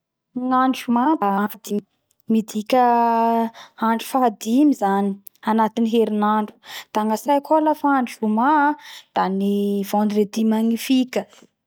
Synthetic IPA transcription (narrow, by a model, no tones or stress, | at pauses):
ŋaɳʈ͡ʂumad̪ad̪i | mid̪ikʲə | aɳɖ͡ʐu̥faad̪imizani̥ | anat̪iniɦeɾinaɳɖ͡ʐu̥d̪̥aŋɡasajkʰolafaaɳʈ͡ʂumad̪̥aniv̥õnd̪ɾed̪imaŋifikʲə